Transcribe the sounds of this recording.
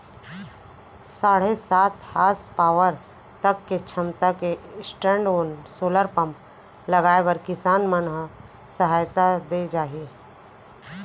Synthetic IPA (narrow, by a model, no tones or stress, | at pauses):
saːɽ̤esaːt̪haːspaːʋəɾ | t̪əkːet͡ʃʰəmt̪akesʈɾẽːɳɖoːnsoːləɾpəm | ləɡaːebəɾkɪsaːnmənɦ | səɦaːjt̪ad̪ed͡ʒaːɦi